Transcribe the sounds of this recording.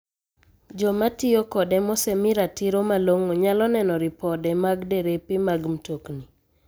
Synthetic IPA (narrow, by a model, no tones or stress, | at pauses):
d͡ʒɔmatɪokɔdɛmɔsɛmɪɾatiɾomaloŋoɲalɔnɛnɔɾɪpɔdɛmaɡdeɾepɪmaɡm̩tokni